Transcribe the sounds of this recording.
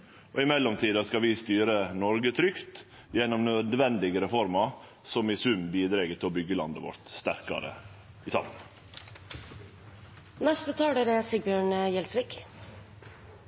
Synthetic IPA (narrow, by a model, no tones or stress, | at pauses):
ʔoːɪmɛlːɔmt̪ʰiːd̪ɑskɑʋɪst̪yːɾənɔɾɡət̪ʰɾʏkt̪ | jɛnːɔmnœd̪ʋɛnd̪ɪɡəɾɛfɔɾmɑ | sɔmɪsʉmbiːd̪ɾɛːɡət̪ʰɪɔbʏɡːəlɑ̰nd̪əʋɔ̰ɾt̪st̪æɾkɑ̰ɾə̰ | ɪt̪ʰɑ̰mn | nɛst̪ət̪ʰɑːɖeɾɛsɪɡ̚bjøːɳəjɛlsʋiːk